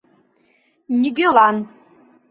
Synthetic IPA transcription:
niɡʲɪlan

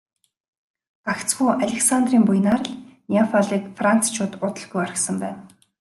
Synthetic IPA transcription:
ɢakt͡sɡuːʔaɮʲĕksant̪riːmpujnaːrə̆ɮnʲafaɮiːkfran̥t͡sʰt͡ɕʰʊːt̪ʊt̪ə̆ɮɡujaɾ̆ksə̆mpæːn

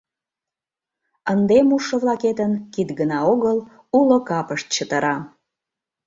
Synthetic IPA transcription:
ənd̪emuʃəβlɑket̪ənkit̪ɡənɑoɣəl | ulokɑpəʃt̪̚t͡ɕət̪əɾɑ

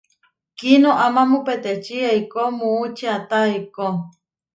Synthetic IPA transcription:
kinoʔamamupet̪et͡ʃieikomũut͡ʃiat̪aeko

